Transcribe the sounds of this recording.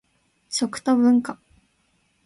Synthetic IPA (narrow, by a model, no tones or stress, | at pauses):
t͡ɕokɯ̟̥t̪obɯ̟̃ŋka